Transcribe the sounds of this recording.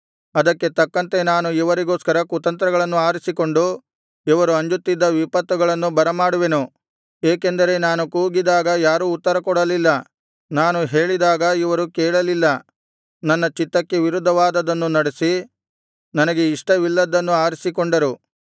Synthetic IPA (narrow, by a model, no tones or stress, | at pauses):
ɐd̪ɐkːe̞t̪ɐkːɐnt̪e̞naːnuiʋɐɾiɡo̞ːskɐɾɐkut̪ɐnt̪ɾɐɡɐɭɐnːuaːɾisiko̞ɳɖu | iʋɐɾuɐɲd͡ʒut̪ːid̪ːɐʋipɐt̪ːuɡɐɭɐnːubɐɾɐmaːɽuʋe̞nu | eːke̞nd̪ɐɾe̞naːnukuːɡid̪aːɡɐjaːɾuːt̪ːɐɾɐkɔɽɐlilːɐ | naːnuɦe̞ːɭid̪aːɡɐiʋɐɾukɛːɭɐlilːɐ | nɐnːɐt͡ʃit̪ːɐkːe̞ʋiɾud̪ʱːɐʋaːd̪ɐd̪ɐnːunɐɽesi | nɐnɐɡe̞iʂʈɐʋilːɐd̪ːɐnːuaːɾisikoɳɖɐɾu